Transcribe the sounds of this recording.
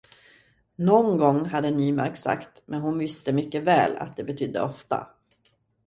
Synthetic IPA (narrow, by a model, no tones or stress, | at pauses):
nɔnɡɔŋːɦad̪ːənyːmaɾksa̰kt̪mʔɛnhʊnvɪst̪əmʏkːəvɛ̰ːla̰t̪̚d̪ɛbɛt̪ʰʏd̪ːə̰ʔɔft̪a̰